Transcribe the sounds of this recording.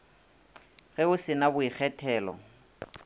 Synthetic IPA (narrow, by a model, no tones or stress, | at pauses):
ɣɛʊsɪnabʊik͡xʰɛtʰɛːlɔ̰